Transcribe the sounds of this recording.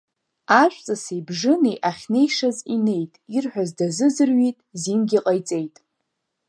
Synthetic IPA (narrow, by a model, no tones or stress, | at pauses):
aʃʷʼt͡sʼasejbʐɨniʔaχʲne̞jʂazine̞jtʼirħʷᶣazdazɨzɨrɥitʼzimɡʲiqʼajt͡sʼe̞jtʼ